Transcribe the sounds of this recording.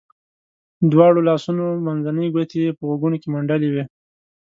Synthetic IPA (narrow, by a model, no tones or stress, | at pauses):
d̪wɑɽolɑsunomanzanəjɡwat̪ejepəɣaɡunokemaɳɖaliwi